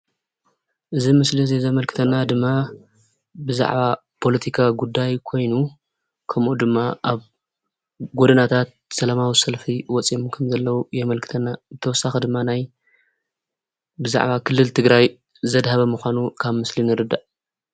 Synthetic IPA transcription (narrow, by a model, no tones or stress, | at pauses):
ʔɨzimɨslizezɐmɐlkʰɨ̥t̪ʰɐnːad̪ɨmːa | bɨza̰ʕβa | pʰo̞lɐt̪ʰikʰaɡud̪ajkʰo̞jnu | kʰɐmʔud̪ɨmːaʔaβ | ɡod̪ɐnat̪ʰat̪̚sɐlamawisɐlfiwɔt͡sʼimkʰɐmzɐlːɐwujɛmɐlkʰɨ̥t̪ʰɐnːazɨt̪ʰɐwɔsaxɐd̪ɨmːanaj | bɨza̰ʕβakʰɨlːɨlt̪ʰɨɡɾaj | zɐd̪haβɐmuxʷanukʰaβmɨslinɨɾɨd̪ːaʔ